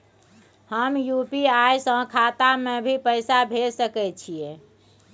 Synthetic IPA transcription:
həmjupiajsə̃kʰat̪amebʱipəɪsabʱesəkɛt͡ʃʰie

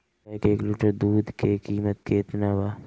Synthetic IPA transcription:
akeːkluːʈəɾd̪uːd̪kekiːmət̪̚keɪt̪nawaː

